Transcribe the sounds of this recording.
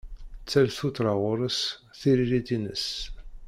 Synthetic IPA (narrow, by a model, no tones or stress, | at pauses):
t͡sːælθut̪ɾˤaʁʊɾəsθiɾiɾid̪inə̰s